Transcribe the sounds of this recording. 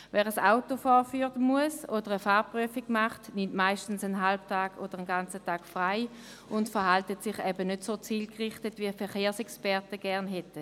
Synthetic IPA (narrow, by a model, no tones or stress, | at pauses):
vɛːʁəsaʊtofɔːfyːʁtəmuəsod̥əʁəfaːʁpʁyəfiɡ̥maχtnɪmtmaɪʃtn̩sənɦalb̚tʰaːɡ̥oːd̥əʁənɡant͡sətaːɡ̥fʁaɪ | ʊntfəʁɦaltətsɪχɛbənødsoːt͡siːlkʁɪχtətviːfɛʁχeːɐsɛkspɛʁtəɡ̥ɛɐnɦɛtə